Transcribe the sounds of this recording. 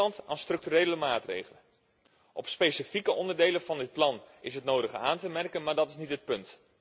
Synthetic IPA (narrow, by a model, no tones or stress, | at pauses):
ɑnta̰ːnstrɵk̚tyɾejləmaːtrḛjχələn | ʔɔpspejsifikəʔɔndərdejləvɑndɪt̚plɑnɪsɦətnowdəχəaːntəmɛrkənmaːɹdɑtɪsnitɦət̚pɵnt